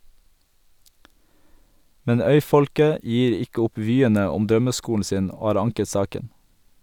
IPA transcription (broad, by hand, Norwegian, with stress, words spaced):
ˈmɛn ˈœʏˌfɔlkə ˈjiːɾ ˈɪkə ˈʊp ˈʋyːənə ˈʊm ˈdɾœməˌskuːln̩ ˈsiːn ˈoː ˈhɑːɾ ˈɑŋkə ˈsɑːkən